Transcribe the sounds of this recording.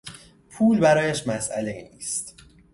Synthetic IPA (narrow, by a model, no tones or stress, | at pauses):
pʰuːlbæɾɒːjæʃmæsʔæ̰leiːniːst̪